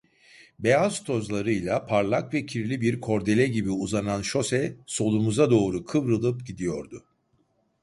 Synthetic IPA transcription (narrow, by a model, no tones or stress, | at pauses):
bejazt̪ʰo̞zlˠaɾɯjlˠapʰaɾlˠakvɛcʰiɾlʲibiɾkʰo̞ɾd̪e̞lʲɛɟibiuzananʃo̞sɛso̞lˠumuzad̪o̞ːɾukʰɯvɾɯlˠɯpɟid̪ijo̞ɾd̪ʊ